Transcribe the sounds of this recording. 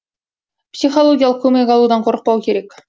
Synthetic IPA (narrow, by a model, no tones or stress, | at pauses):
psʲiχolˠoɡʲijalˠəqkʰːɵmʲeɡʲɑlˠud̪ɑɴqŏɾɤ̆q̚pɑwkʲeɾekʲ